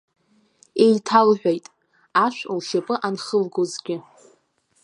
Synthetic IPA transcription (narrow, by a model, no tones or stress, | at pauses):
ejtʰalħʷᶣajtʼ | aʃᶣʷlʃapʼɨʔanχəlɡozɡʲɪ